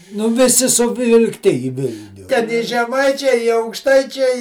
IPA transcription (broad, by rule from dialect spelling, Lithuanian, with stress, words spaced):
ˈnʊ ʋʲɪˈsʲɪ sʊʋʲɪlˠkˈtʲɪ iː ˈʋʲɪlʲnʲʊ tʲɛn ˈɪ ʒʲɛˈmɐɪt͡ʃʲɛɪ ɪ ɐʊkˈʃtɐɪt͡ʃʲɛɪ